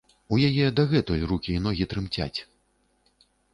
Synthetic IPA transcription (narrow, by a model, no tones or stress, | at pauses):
ujajɛd̪ɐɣɛt̪ɔjrukʲiːnɔɣʲit̪ɾɨmt͡sʲa̰t͡sʲ